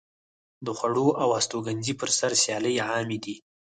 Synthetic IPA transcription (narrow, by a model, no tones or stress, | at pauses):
d̪əxwaɽoʔawast̪oɡanzipəɾsaɾsjɑləjʕɑmed̪i